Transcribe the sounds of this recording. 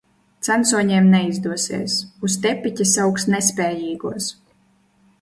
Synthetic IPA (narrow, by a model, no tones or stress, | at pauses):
t̪sansuɔɲiɛmnɛizd̪uɔsḭːsust̪ʲɛpʲːitʲasawksnɛsʲpʲɛːjiːɡuɔs